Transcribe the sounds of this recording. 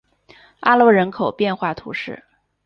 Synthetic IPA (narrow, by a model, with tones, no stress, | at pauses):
a˥lwɔ˧˥ɻə˧˥nkʰo˨˩ʊpjɛ˥˧nxwa˥˩t̪ʰṵ˧˥ʂɻ̩˥˩